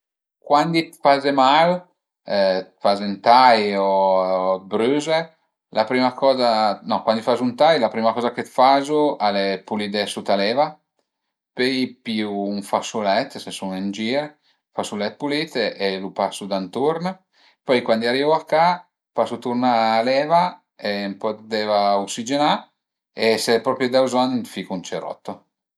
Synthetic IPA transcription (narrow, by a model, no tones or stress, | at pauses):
kwand̪it̪fazemal | ɛt̪fazent̪ajo | bɾyze | lapɾiːmakɔːzanɔkwand̪ifazunt̪ajlapɾiːmakɔːzaket̪fazualepulid̪ɛsut̪alɛva | pejpiuːɱfasulɛt̪ːsesunend͡ʒiːɾ | fasulɛt̪̚pulit̪elupasud̪ant̪uɾna | pɔjkwand̪iaɾivuakːa | pasut̪urnaːlɛːva | empɔt̪d̪ɛːvauksid͡ʒena | esepɾɔpɾjud̪awzɔnfikunt͡ʃeɾɔ̰t̪ːo